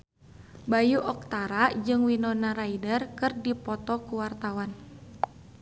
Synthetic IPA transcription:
bajuʔɔk̚t̪aɾad͡ʒɨŋwinɔnaɾaidərkɨrdipɔt̪ɔkuwart̪awan

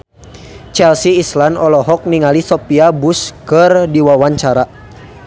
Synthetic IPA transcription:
t͡ʃɛlsiːslanɔlɔɦɔk̚niŋalisɔpiabuskərdiwawaɲt͡ʃaɾa

